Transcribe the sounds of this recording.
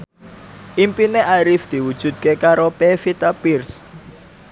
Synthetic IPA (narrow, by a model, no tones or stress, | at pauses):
ʔimpineʔaɾifd̪̥i̤wud̥ʒ̥ṳd̪̚kekaɾopefit̪apirs